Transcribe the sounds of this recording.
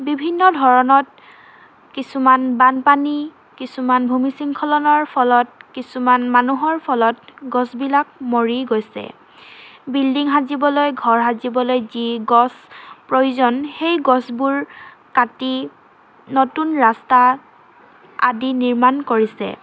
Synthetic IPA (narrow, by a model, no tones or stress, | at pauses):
bibʱinːɔdʱɔɹɔnɔt̚ | kisumanbanpani | kisumanbʱumisiŋkʰɔlɔnɔɹpʰɔlɔt̚kisumanmanuɦɔɹpʰɔlɔtɡɔsbilak̚moɹiɡojsɛ̰ | bildiŋɦazibɔlojɡʱɔɹɦazibɔlojziɡɔspɹojuzɔnxejɡɔsbuɹ | kati | notunɹasta | adiniɹmankoɹisɛ̰